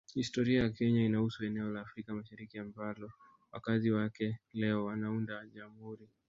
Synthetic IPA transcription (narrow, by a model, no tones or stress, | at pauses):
histɔɾiajakɛɲainahusuɛnɛɔlaːfɾikamaʃaɾikiambalɔ | wakaziwakɛlɛɔwanaundaʄam̩huɾi